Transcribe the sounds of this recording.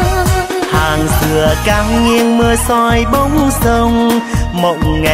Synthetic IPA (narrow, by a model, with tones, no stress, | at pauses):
haː˨˩ŋzɨ˨˩əkaː˧˦mŋi˧əŋmɨ˧əsɔ˧jɓə˨˦wŋ͡msə˧wŋ͡mmo̰˨˩t̚ŋa˨˩